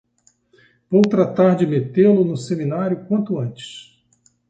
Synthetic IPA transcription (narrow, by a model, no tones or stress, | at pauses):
vowt̪ɾat̪aɾd͡ʒɪmet̪elʊnʊseminaɾjʊkwɐ̃nt̪ʊɐ̃nt͡ʃɪ̥s